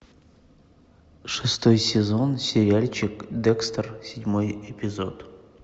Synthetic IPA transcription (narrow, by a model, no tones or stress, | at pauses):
ʂɨst̪ojsʲɪzonsʲɪɾʲɪalʲt͡ɕɪkd̪ɛkst̪rsʲɪdʲmojɪpʲɪzot̪